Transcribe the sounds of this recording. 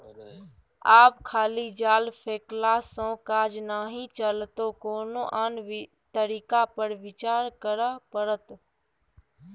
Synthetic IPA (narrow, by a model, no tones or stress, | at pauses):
aːpkʰaːliːd͡ʒaːlpʰeːklasõːkaːd͡ʒnaːɦiːt͡ʃəlt̪oːkoːnoːʔaːn | t̪əɾiːkapəɾʋɪt͡ʃaːɾkəɾapəɾət̪